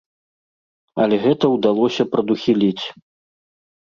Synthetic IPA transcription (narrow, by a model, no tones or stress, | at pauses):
ɐlʲɛɣɛt̪ɐwd̪alˠɔsʲɐpɾɐd̪uxʲilʲit͡sʲ